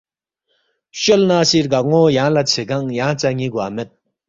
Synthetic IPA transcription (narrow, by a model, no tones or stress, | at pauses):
ɕolnaɕiːɹɡaŋojaŋlat͡ɕʰekaŋjaŋt͡ɕaɲiːɡamet̪̚